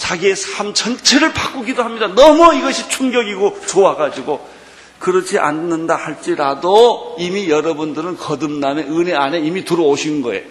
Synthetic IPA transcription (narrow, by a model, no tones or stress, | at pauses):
t͡ɕaɡiesʰamt͡ɕʌnt͡ɕʰe̞ɾɯɭpak͈uɡidoɦamɲidanʌmʌiɡʌɕʰit͡ɕʰuŋɡjʌɡiɡot͡ɕoaɡad͡ʑiɡo | kɯɾʌt͡ɕʰiʔa̰nnːɯndahaɭt͡ɕ͈iɾadoimijʌɾʌbundɯɾɯnkʌdɯmname̞ɯne̞ane̞imituɾʌoɕʰinɯnɡʌe̞̰